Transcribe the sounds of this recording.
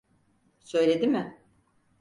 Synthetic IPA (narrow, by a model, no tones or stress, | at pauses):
sø̞jlʲe̞d̪imɪ